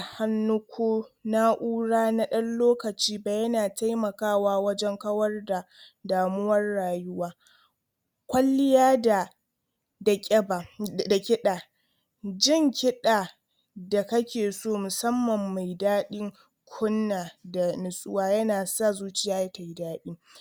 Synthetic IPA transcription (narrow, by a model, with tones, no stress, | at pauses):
ha˦nːʊ˦kʷʰoː˦na˦ʔuː˦ɽaː˦na˦ɗɐ˦nloː˦kɐ˨t͡ʃiː˦ba˨jɐ˦naː˨ta˦jmɐ˨kaː˦˨waː˦wɐ˦d͡ʒɛ˦ŋkɐ˦wɐ˦rda˨ | daː˨mʊ˦wɐ˦rːaː˨jʊ˦waː˦ | kʷɐ˦lːɪ˦jaː˦da˨ | dɐ˨kʲʼɛ˦ba˨da˨kʲɪ˦ɗaː˨ | d͡ʒɪ˦ŋkʲɪ˦ɗaː˨ | da˨kɐ˦kʲeː˨soː˦˨mʊ˨sɐ˦mːɐ˨mːa˨jdaː˦ɗɪ˦ŋ | kʷʰʊ˦nːaː˨da˨nʊ˨sʼʊ̰˦waː˦jɐ˦naː˨sa˦˨zuː˦t͡ʃɪ˦jaː˦jɐ˦ka˨ji˦daː˦ɗiː˦